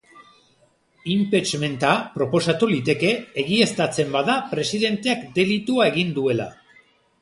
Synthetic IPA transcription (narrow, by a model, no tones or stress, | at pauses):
impet͡ʃme̞nt̪apɾo̞po̞sat̪ulit̪e̞ke̞ːɣie̞st̪at͡se̞mbaðapɾe̞siðe̞nt̪e̞akd̪e̞lit̪uae̞ɣ̞ind̪ue̞la̰